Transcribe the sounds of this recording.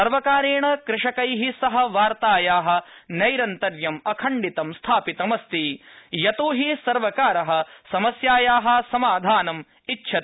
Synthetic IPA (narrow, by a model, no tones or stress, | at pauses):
ɐɾʋɐkaːɾeːɳɐkɾɪʂɐkɐjɦisɐɦɐ̆ʋaːɾt̪aːjaːɦɐ̆nɐjɾɐnt̪ɐɾjɐmɐkʰɐɳɖit̪ɐmst̪ʰaːpit̪ɐmɐst̪ijɐt̪uːɦisɐɾʋɐkaːɾɐɦɐ̆sɐmɐsjaːjaːɦɐ̆sɐmaːd̪ʱaːnɐm | itːʃʰɐt̪